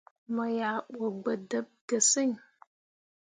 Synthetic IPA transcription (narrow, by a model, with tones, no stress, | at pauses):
mə˨ja˨ɓo˨ɡ͡bə˨də˦p̚ɡə˨sə˦ɲ